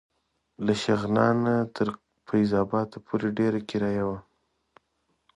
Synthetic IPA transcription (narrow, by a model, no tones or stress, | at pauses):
laʃaɣnɑnat̪ʰəɾ | fajzɑbɑt̪apʰoɾeɖeɾakɪɾɑjawa